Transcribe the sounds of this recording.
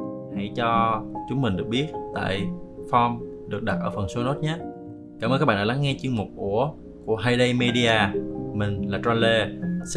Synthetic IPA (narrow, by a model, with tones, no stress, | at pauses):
ha˧˩jt͡ɕɔ˧t͡ɕʊ˨˦ŋ͡mmï̟˨˩ɗɨ˨˩ək̚ɓi˦˥ət̚t̪a̰ː˧˨jfɔ˧m | ɗɨ˨˩ək̚ɗa˨˩t̚ʔəː˧˩fə˨˩nso˨˦no˦˥t̚ɲaː˦˥ | ka̰ː˧mə˧kːa˦˥ɓaː˧˨ɗa˧˨la˨˦ŋːɛ˧t͡ɕɨ˧əŋmo˨˩k͡p̚ʔu˧˩ə | ku˧˩əɦaː˧jɗə˧jme˧ɗi˧aː˨˩mï˨˩ŋ̟laː˨˩t͡ɕwa˧nle˧s